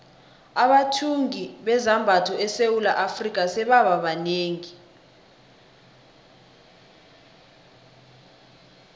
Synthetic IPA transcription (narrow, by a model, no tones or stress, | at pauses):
aɓatʰuŋiɓɛzambʱatʰɔɛsewulaʔafrik̬ʼasɛɓaɓaɓaneːŋi